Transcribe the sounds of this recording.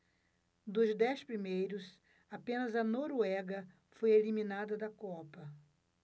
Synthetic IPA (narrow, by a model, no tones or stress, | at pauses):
d̪ʊzd̪ɛspɾimejɾʊs | apẽnɐzɐnoɾuɛɡɐ | fojelimĩnad̪ɐd̪ɐkɔpɐ